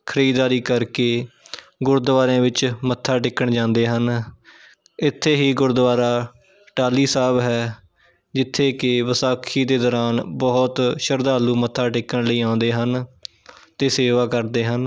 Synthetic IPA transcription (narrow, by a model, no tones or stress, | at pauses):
kʰəɾiːd̪aːɾiːkəɾkeː | ɡʊɾd̪ʋaːɾẽːʋɪt͡ʃmət̪ʰːaːʈɪkːəɳd͡ʒãːnd̪eːɦən | ɪt̪ʰːeːɦiːɡʊɾd̪ʋaːɾaː | ʈaːliːsaːbɦɛː | d͡ʒɪt̪ʰːeːkɪʋəsaːkʰiːd̪eːd̪ɔːɾaːnbɔːt̪ʃəɾd̪aːluːmət̪ʰːaːʈɪkːəɳləiːãːʊ̃nd̪eːɦən | t̪eːseːʋaːkəɾd̪eːɦən